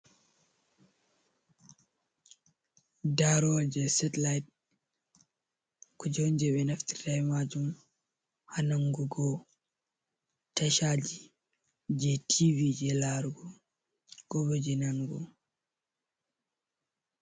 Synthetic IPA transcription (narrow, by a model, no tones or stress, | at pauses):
daɾɔd͡ʒɛsɛtlajt̚ | kud͡ʒɔnd͡ʒɛbɛnafti̥tajmad͡ʒum | hanaŋɡuɡɔ | taʃad͡ʒi | d͡ʒɛtʰivid͡ʒɛlaɾɡɔ | ɡ̥ɔβɔd͡ʒɛnanɡɔ̰